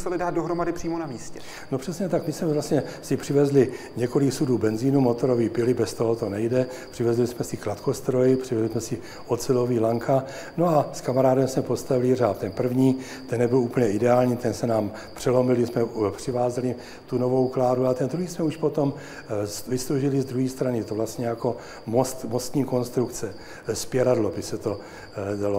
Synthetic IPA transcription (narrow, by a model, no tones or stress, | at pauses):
musɛlɪdaːt̪̚doɦɾomadɪpr̥iːmonamiːscɛ | nopr̥ɛsɲɛt̪akmɪsmɛvlast̪ɲɛsɪpr̝̥ɪvɛzlɪ | ɲɛko̞lɪksuduːbɛnziːnumo̞t̪o̞ɾovibɪlɪbɛst̪o̞ɦot̪o̞nɛjdɛ | pr̝̥ɪvɛzlɪsmɛsɪklat̪kost̪ɾo̞jɪpr̥ɪvɛzlɪsmɛsɪ | ot͡sɪlo̞viːlaŋkʰa | noaskamaɾaːdɛmsmɛpost̪avɪlɪr̝aːft̪ɛnpr̩vɲiː | t̪ɛnːɛbɪluːpəl̩ɲɛɪdɛaːlɲiːt̪ɛnsɛnaːm | pr̝̥ɛlo̞mɪlɪsmɛpr̝̥ɪvaːzɛlɪ | t̪uno̞vo̞wklaːɾuat̪ɛnd̪ɾuɦiːsmɛuʃpot̪o̞m | svɪslowʒɪlɪzd̪ɾuɦiːst̪ɾanɪjɛt̪ovlast̪ɲɛjako̞ | most̪mo̞st̪ɲiːko̞nst̪ɾukt͡sɛ | spjɛɾadlobɪsɛt̪o̞ | dalo